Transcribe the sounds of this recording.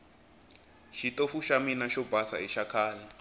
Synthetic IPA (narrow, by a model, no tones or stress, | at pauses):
ʃitofuʃaminaʃɔbʱasa̰iʃakʰaːla